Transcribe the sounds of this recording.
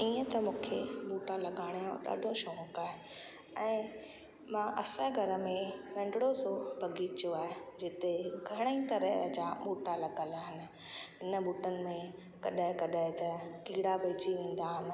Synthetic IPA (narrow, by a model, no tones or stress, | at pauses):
iːə̃t̪ɐmũːkʰḛɓuːʈalɐɠaːɽ̃jũɗa̰ːɖʱoʃoːɦʊ̃kaːɦe | ɛ̃ː | mãʔɐsəɡʱɐɾə̆mẽʋɛ̃ːɳɖɽozobʱɐɡit͡ɕjoaːɦed͡ʑɪt̪eɡʱɐɽ̃əĩt̪ɐɾəd͡ʑaɓuːʈalɐɠəlaːɦɪnɪ̆ɦɪnəɓuːʈənɪ̆mẽ | kɐɗɦɪ̃kɐɗəɦɪ̃t̪ɐkiːɽabɐːt͡ɕiʋẽːn̆d̪aɦɪnɪ̆